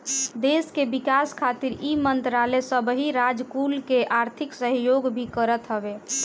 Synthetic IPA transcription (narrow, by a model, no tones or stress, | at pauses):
d̪eskebikaskʰat̪iɾimənt̪ɾalesəbɦiɾad͡ʒkulkeʔaɾt̪ʰiksəɦjoɡbʱikəɾət̪ɦəbe